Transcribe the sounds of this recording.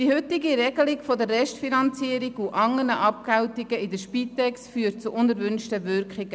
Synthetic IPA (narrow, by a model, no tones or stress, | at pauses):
d̥ihʏtːɪɡiɾɛɡəlɪɡfɔdəɾːɛʃtfinɑnt͡siəɾiɡuʔɑŋːənəʔɑp̚kawtɪɡəɪdəʃpit̪ːɛksfyːət̚t͡suʔʊnəɾvʏnʃtəvʏɾkχɪɡə